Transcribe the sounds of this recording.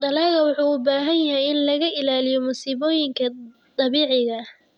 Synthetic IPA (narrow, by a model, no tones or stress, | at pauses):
d̪ɐlaːɣɐwʊħuːʊbaːɦɐjjɐɦɛjɪnlɐɣɐʔɪlaːlɪjɔmʊsiːβɔːjɪŋkʰɐ | d̪ɑβiːʕɪɣɐ